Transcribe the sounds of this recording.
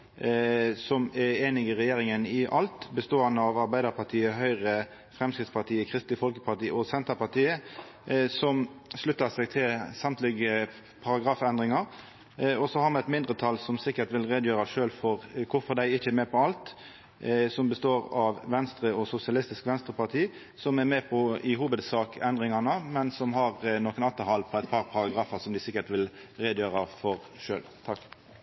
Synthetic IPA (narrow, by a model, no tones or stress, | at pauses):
sɔmɛeːnɪɡɪʁɛjeːɾɪŋənɪʔɑlt̪bəst̪oːɑnːəɑʋɑɾbæɪd̪əɾpʰɑt̪ʰiːəɦœʏʁə | fʁɛmskɾɪt̪spɑt̪ʰiːəkʰʁɪst̪lɪfɔlkə̥pʰɑt̪iːəɔsɛnt̪əpɑʁt̪iːə | sɔmʂlʉt̪ːəsɛːɡt̪ʰɪlsɑmt̪lɪɡə | pʰɑɾɑɡɾɑːfɛnd̪ʁɪŋɑɾ | ɔsɔhɑʁmɛɛt̪mɪnd̪ʁət̪ʰɑlsɔmsɪkːəɾt̪ʋɪlʁed̪əjøːɾɑʂøːlfɔʁkʰʊɾfɔʁd̪æɪɪçːəɛmɛːpʰɔɑlt̪ | sɔmbəst̪oːɾɑʋʋɛnst̪ɾəɔsʊsɪɑlɪst̪ɪskʋɛnst̪ʁəpɑʁt̪ʰiː | sɔmæɾmɛːpʰɔɪhuːbəd̪sɑːkʰɛnd̪ʁɪŋɑnəmɛnsɔmɦɑʁnoːkənɑt̪ːəhɑlpʰɔæɛt̪pʰɑʁpʰɑʁɑɡɾɑːfəʁsɔmd̪ɪsɪkːəʁt̪ʋɪlɾeːd̪əjøːʁɑfɔʁ | ʂø̰ːlt̪ʰɑkː